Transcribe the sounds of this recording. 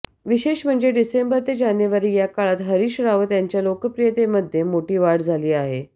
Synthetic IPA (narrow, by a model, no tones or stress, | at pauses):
ʋiɕeɕm̤əɳd͡zeɖisembəɾt̪ed͡ʑanjəʋaɾiːjakaɭat̪ɦəɾiːɕɾaʋt̪jaɲt͡ɕjalokəpɾijət̪eməd̪ʱːjemoʈiːʋaɽd͡zʱaliːaɦe